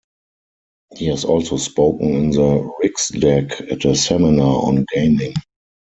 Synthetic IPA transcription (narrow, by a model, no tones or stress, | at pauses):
hiɪsɔlsospoʊkə̃ŋ̩ɪ̃nðəɹɪksdɛkætðəsɛmɪnaɔ̰̃nɡeɪ̃nɪ̃ŋ